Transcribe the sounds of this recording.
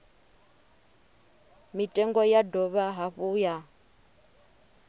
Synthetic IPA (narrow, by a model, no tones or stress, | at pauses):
mitʼɛŋɡɔjadɔβaɦaɸuja